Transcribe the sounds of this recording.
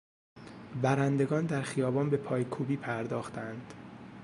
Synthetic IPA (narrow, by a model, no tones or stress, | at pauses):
bæɾænd̪e̞ɡɒːnd̪æɾxijɒːbɒːnbe̞pʰɒːjkʰuːbiːpʰæɾd̪ɒːxt̪ʰænd̪̥